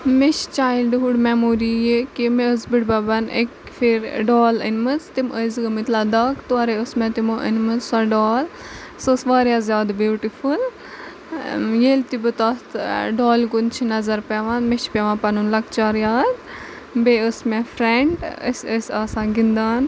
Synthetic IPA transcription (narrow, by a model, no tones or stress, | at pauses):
meʃt͡ʃaːjilɖɦuɖmemoːɾijekimẽəzbiɽbɐbɐnḛk | fʰiɾɖoːlənmɨt͡st̪iməzɡɨmit̪laːd̪ɐkt̪uaɾeəsmɛ̃t̪imoʔə̰nmɨzsɐɖaːl | səsʋaːɾjaːzʲjaːd̪bjuːʈiful | jeːlt̪ibɨt̪at̪ɖoːlɡunt͡ʃʰinɐzɐɾpɛʋãnmeʃpeʋãːpɐnunlɐkt͡ʃaːɾjaːt̪ | beəsmɛfɾeɳɖə̰səsʲaːsãːɡind̪aːn